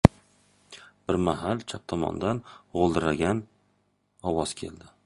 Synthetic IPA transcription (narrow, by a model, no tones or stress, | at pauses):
b̥ɪɾmaɦalt͡ʃʰap̚t̪ʰɒmɒ̰nd̪anʁolˠd̪ɪɾaɡʲan | ɒwɒz̥kʲʰe̞̰ld̪ɪ